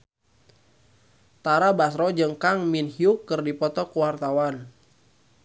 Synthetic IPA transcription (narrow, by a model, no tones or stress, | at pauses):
t̪aɾabasɾɔd͡ʒəŋkaŋminhiukːərdipɔt̪ɔkuwart̪awan